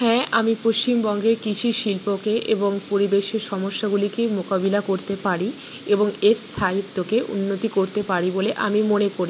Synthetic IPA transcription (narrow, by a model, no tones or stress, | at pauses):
ɦɛ̃amipoʃt͡ɕimbɔŋɡeɾkit͡ɕʰuʃilpokeʔeboŋpoɾibeʃeɾʃɔmoʃːaɡulikemokabilakoɾt̪epaɾi | eboŋeɾst̪ʰait̪ːokeʔṵnːot̪ikoɾt̪epaɾiboleʔamimonekoɾi